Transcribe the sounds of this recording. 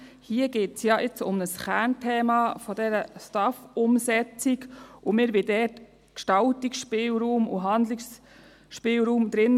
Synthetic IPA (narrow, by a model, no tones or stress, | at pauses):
hiəɡ̥eːtsjɑʔɪt͡sʊ̰mnəsχæntʰeːmɑːfɔdɛɾəstɑfʊmsɛt͡sikʔʊmɪɾʋidɛt | kʃtɑltiksʃpeːlɾuːmʊ̰ɦɑnd̪liks | ʃpɪːlɾuːmd̥̪ɾɪn